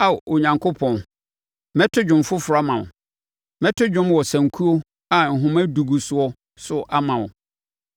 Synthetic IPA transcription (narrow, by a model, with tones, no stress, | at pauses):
a˨ʔo˨ɲã˨ŋkʰo˦pʰɔ̃˨n˦ | mɛ̃˦tʰʊ˦d͡ʑᶣʊ̃˨mfʊ˦fʊ˨ɾa˦mã˨wʊ̰˨ | mɛ̃˦tʰʊ˦d͡ʑᶣʊ̃˦mwɔ˨sã˨ŋ˨kʰu˦o˦ | a˨n̩˨ɦʊ̃˦mæ˦du˨ɡu˨sʊ˨˦ɔ˦ | sʊ˦ʔa˦mã˨wʊ˨